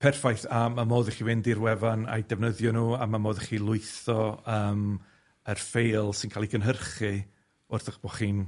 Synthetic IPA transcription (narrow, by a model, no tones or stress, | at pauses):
pʰɛrfajθamamoːðiχivɪndirwɛvana̰jdɛvnəðjɔnuːamamoːðɛχilˠʊɨθɔəːm | ərfejlˠsɪnkʰaːlˠiɡənɦərχɨ | ʊrθəχb̥oχiːn